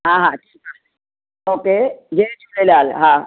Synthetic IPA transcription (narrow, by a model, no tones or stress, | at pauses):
ɦãɦãʈʰika | oːked͡ʒet͡ʃʰulelaːlɦã